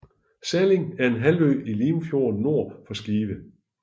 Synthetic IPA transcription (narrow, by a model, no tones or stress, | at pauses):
sæle̝ŋæɐe̝nɦælø̰ːiliːmfjo̝̰ːn̩ːo̝ɐ̰fɒ̽sɡ̥iːʋə